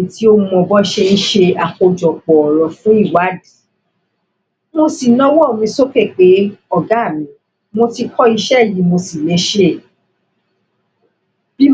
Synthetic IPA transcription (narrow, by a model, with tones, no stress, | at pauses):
ti˨˦o˧mɔ̃˧bɔ˦˧ʃe˧i˦ʃe˧a˨ko˧d͡ʒɔ˨k͡pɔ˨ɔ˨ɾɔ̃˨fũ˨˦i˦˨wa˨˦di˨ | mo˧si˨nɔ̃˦wɔ˦o˨mĩ˧so˦ke˦˨k͡pe˨˦ɔ˦˨ɡa˦˨mĩ˨˦ | mo˧ti˧kʰɔ˦i˧ʃɛ˦˨ji˨˧˦mo˧si˨nẽ˨˦ʃe˦˨ | bi˦